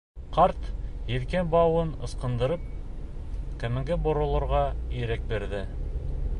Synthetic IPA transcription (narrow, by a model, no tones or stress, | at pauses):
qɑɾt̪jɘ̆ðkænbɑwɤnɤ̆sqɤ̆nd̪ɤ̆ɾɤp̚ | kæ̆mɘ̆ŋɡɘbŏɾŏlˠɤ̆ɾʁɑiɾæk̚bĕɾðɘ